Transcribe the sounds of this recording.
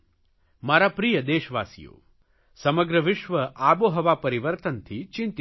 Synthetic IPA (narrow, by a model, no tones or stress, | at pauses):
maːɾapɾijɐd̪eːʃɐʋa̰ːsijo̰ː | sɐmɐɡɾɐʋɪʃʋɐʔaːboːɦɐʋaːpɐɾiʋəɾt̪ɐnt̪ʰit͡ʃint̪i